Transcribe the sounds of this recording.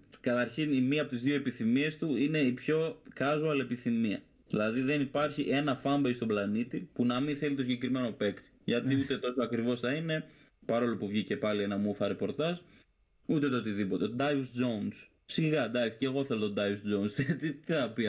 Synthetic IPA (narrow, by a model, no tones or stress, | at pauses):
kɐt̪ɐɾçinimiɐpot̪izðioe̞piθimie̞st̪uine̞ipço̞kɐzoɐle̞piθimiɐ̰ | ðilɐðiðe̞nipɐɾçiʔe̞nɐfɐmbejst̪oblɐnit̪ipunɐmĩθe̞lit̪osiɲɟekɾime̞no̞pe̞kt̪i̥ʝɐt̪iut̪e̞t̪osoɐkɾivo̞sθɐine̞ | pɐɾo̞lopuvʝice̞pɐlie̞nɐmufɐɾe̞po̞ɾt̪ɐz | ut̪e̞t̪oot̪iðipo̞t̪e̞d̪ɐjusd͡ʒo̞uns | siɣɐd̪ɐksi̥ce̞ɣo̞θe̞lo̞t̪od̪ɐusd͡ʒounset͡sit̪iθɐpi